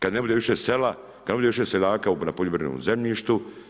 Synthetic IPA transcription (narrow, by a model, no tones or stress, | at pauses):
kad̪ne̞bud̪eʋiʃesela | kad̪nebud̪eiʃeselaːkaunapoʎʲobɾno̰mzemʎiːʃt̪u